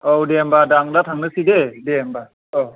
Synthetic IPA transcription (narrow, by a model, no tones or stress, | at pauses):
ɔwdɛmbadaŋdatʰaŋnɯsidedɛmba | ɔ